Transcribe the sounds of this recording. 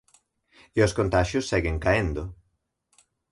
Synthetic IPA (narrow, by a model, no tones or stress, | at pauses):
ɪoskõnt̪aʃjʊsːɛɣẽŋkaend̪ʊ